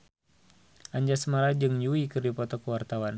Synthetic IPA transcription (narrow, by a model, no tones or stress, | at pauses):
ʔaɲd͡ʒasəmaɾad͡ʒɨŋjuikɨrdipɔt̪ɔkəwart̪awan